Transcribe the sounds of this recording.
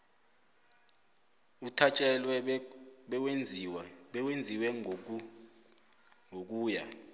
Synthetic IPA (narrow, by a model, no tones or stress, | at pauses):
utʰat͡ʃʼɛlwɛɓɛwe | wend͡zʱiwɛ | ŋʱok̬ʼuːja̰